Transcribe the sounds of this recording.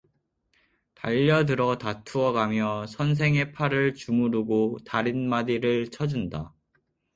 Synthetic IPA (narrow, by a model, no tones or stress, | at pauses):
taʎːʌdɯɾʌtatʰuʌɡamjʌsʰʌns̬ʰe̞ŋe̞pʰaɾɯɭt͡ɕumuɾuɡotaɾinmadiɾɯɭt͡ɕʰʌd͡ʑunda